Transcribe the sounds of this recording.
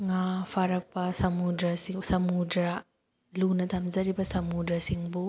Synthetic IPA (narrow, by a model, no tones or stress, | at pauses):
ŋapʰaɾɐk̚pɐsɐmudɾɐsisɐmudɾɐ | lunɐt̪ʰɐmzɐɾibɐsɐmudɾɐsiŋbu